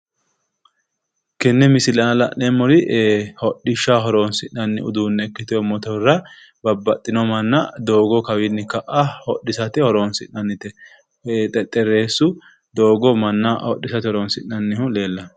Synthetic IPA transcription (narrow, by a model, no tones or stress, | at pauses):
kɛnːɛmɪsɪlɐnɐlɐ̰ʔnɛmɔɾɪʔhɔɗɪʃːaɦɔɾoːnsɪnɐnːɪ̰ʊ̰d̪uːnːɛːkːɪt̪ɪɔmɔt̪ɔrːɐ | bɐbːɐt̪ʼːɪnɔmɐnːɐd̪o̞ːɡɔkɐwɪnːɪkɐʔahɔɗːɪsɐt̪ɪhɔɾoːnsɪnɐnːɪt̪ɛ | t̪ʼɛt̪ʼːɛɾe̞ːsːʊ | d̪oːɡɔmɐnːɐhɔɗːɪsɐt̪ɪhɔɾoːnsɪnːɐnːɪhʊle̞ːlːɐ